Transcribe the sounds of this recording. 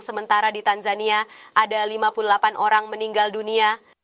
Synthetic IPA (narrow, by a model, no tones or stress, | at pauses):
səmənt̪aɾadit̪anzaniaʔadalimapululapanʔoɾaŋməniŋɡaldunia